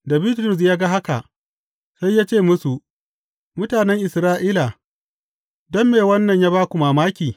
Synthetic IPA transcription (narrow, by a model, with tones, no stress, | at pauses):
da˨biː˦tɾʊ˦˨s̬jaː˦ɡa˦ɦa˦ka˨ | sa˦jːaː˦t͡ʃeː˦˨mʊ˦su˨ʔ | mʊ˦taː˨nɛ˦ŋʔɪ˨sɾaː˦ʔiː˦la˨ | dɔ˦mːeː˨wɐ˦nːɐ˨ɲjaː˦baː˦kʷu˨maː˨maː˦kʲiː˨